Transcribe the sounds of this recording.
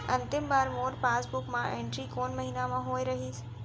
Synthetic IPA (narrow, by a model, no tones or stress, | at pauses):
ɐ̃nt̪ɪmbaːɾmoːʈpaːsbʊkmãẽːɳʈɾikoːnmɐɦiːnamãɦoːeɾɐɦiːs